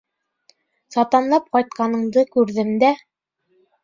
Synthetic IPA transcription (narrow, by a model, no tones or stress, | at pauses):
sɑt̪ɑnlˠɑp̚qɑjt̪̚qɑnɤ̆ɴd̪ɤkʉɾðɘmd̪æ